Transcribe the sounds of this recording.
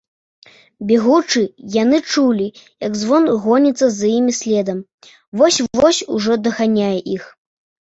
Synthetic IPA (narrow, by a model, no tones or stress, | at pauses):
bʲɛɣut͡ʂɨjanɨt͡ʂulʲijɐɡzvɔnɣɔnʲit̪sːɐzjimʲisʲlʲɛd̪ɐm | vɔsʲɔsʲuʐɔd̪ɐɣanʲajɛʔix